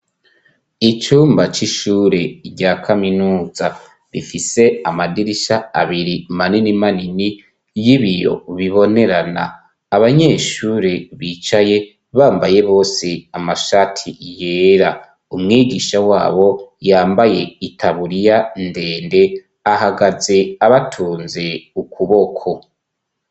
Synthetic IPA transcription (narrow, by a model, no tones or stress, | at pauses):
it͡ʃuːmbat͡ʃiʃuːɾe̞ɾɟaːkʰaminuːza | βifise̞amadiɾiʃaa̰βiɾimaninimanini | jiβijo̞̰βiβo̞ne̞ɾana̰ː | βaɲe̞ːʃuːɾeβiːt͡ʃaje̞ | βaːmbaje̞βo̞ːseamaʃatʰijeːɾa | umŋiːɡiːʃawa̰ːβo̞jaːmbaje̞itʰaβuɾijande̞ːnde̞ | ahaɡaze̞aβatʰuːnze̞ukʰuβo̞kʰo̞